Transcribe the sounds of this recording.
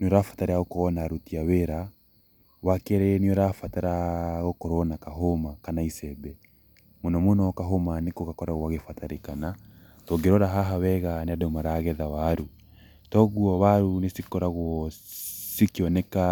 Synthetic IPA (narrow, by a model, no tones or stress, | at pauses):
nɔɾafataɾeaɣokɔnaɾutiaweɾa | wakeɾeniɔɾafataɾaɣokɔɾɔnakaɦomakanaisɛbɛ | monɔmonɔkaɦomanekoɣakɔɾaɣwaɣefataɾekana | tɔɡeɾɔɾaɦaɦawɛɣaneadɔmaɾaɣɛðawaɾu | tɔɣuɔβaɾunesikɔɾaɣwɔ | sikeɔnɛka